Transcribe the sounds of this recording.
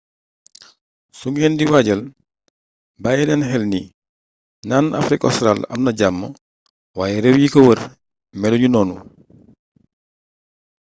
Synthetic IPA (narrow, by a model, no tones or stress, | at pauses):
suŋɛːndiwaɟɐl | bajɛnɛnɦɛlni | naːna̰fɾikɔ̰stɾalɐ̰mnɐɟamːə | waːjɛɾɛwjikɐwər | mɛluɲunɔːnu